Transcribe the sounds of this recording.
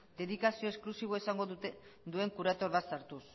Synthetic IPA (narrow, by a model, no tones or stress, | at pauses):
d̪e̞ðikasio̞esklusiβ̞o̞esaŋɡoud̪ue̞ŋkuɾat̪o̞ɾβasaɾt̪us